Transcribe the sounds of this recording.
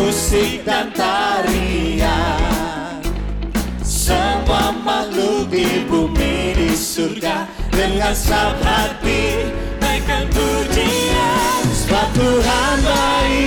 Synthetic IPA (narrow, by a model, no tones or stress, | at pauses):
usɪk̚d̪ant̪aɾia | səwamalud̪ibumidisurɡa | dəŋansapat̪i | nakand̪uniawat̪uɦand̪ai